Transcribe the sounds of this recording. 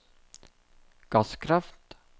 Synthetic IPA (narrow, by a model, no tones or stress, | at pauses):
ɡ̥askʰɾaft̪